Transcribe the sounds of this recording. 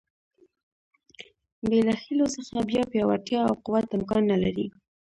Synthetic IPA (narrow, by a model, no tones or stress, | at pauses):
belaxilosəxabjɑpjɑwaʈjɑawquwat̪ɪmkɑnːalaɾi